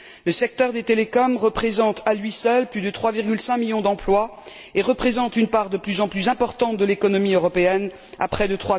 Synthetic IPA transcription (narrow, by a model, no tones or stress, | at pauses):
ləsɛk̚t̪œʁd̪et̪elekɔmʁəpχezɑ̃t̪alɥisœlplyd̪ət̪χwaviʁɡʲylsɛ̃miljɔ̃d̪ɑ̃plwa | eʁəpχezɑ̃t̪ynpaʁd̪əplyzɑ̃plyzɛ̃pɔʁt̪ɑ̃t̪̚d̪əlekɔnɔmiøʁɔpeɛn | a̰pχɛd̪ət̪χwa